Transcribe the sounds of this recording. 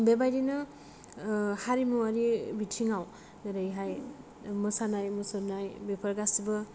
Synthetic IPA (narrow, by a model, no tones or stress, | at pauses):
bebajdinɯ | haɾimuwaɾibitʰiŋaw | ɾajɦaj | mɯsanajmɯsɯɾnajbepʰaɾɡasibɯ